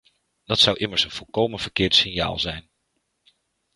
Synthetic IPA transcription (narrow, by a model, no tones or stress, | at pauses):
d̥ɑtsɑwʔɪməɹsənv̥ɔlˠkowmənv̥əɹkɪːɹtsɪnja̰ːlˠzɛjn